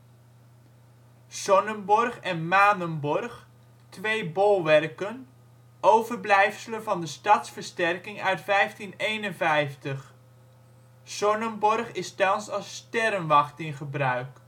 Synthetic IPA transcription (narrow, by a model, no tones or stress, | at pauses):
sɔnənbɔrχɛnmaːnənbɔrχ | tʋejbɔlˠʋɛrkən | ʔowvəɹblɛjfsələvɑndəstɑtsfəɹstɛrkɪŋœɥtfɛjftinejnənvɛjftəχ | sɔnənbɔrχɪstɑnnsɑlˠstɛɾənʋɑχtɪnχəbrœɥk